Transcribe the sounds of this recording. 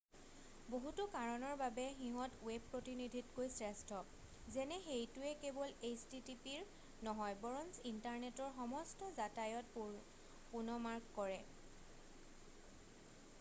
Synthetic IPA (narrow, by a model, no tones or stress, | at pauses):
boɦutʊkaɹɔnɔɹbabɛxiɦɔtweb̚pːɹotinidʱitkojsɹɛstʰɔ | zɛnɛxejtʊɛkebɔlejstitipiɹ | nɔɦɔjbɔɹɔnsintaɹnetɔɹxɔmɔstɔzatajɔt | punɔmaɹkːɔɹɛ